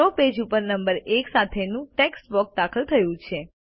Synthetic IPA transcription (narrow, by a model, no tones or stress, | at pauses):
oped͡ʒupəɾnəmbəɾeksat̪ʰenũʈeksbɔk̚d̪akʰəlt̪ʰəjũt͡ʃʰe